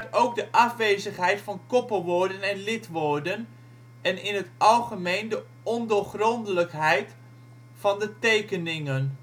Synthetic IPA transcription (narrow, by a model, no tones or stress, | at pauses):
towk̚dəʔɑfʋeːzəχɦɛjtfɑnkɔpəlˠʋoːɹdənɛnlɪtʋoɹdən | ɛnɪnɦətʔɑlˠχəmejndə | ɔndoχrɔndələkɦɛjt | fɑndətejkənɪŋən